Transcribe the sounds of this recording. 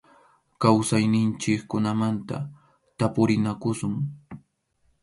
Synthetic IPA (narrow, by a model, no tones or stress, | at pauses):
kawsajnɪnt͡ʃɪkkːʊnamant̪a̰ | t̪apʊɾɪnakʊsʊŋ